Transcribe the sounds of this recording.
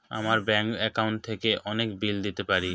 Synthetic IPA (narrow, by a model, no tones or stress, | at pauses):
a̰maɾbɛŋkɛkauɳʈ̚t̪ʰekeʔɔnekbild̪it̪epaɾi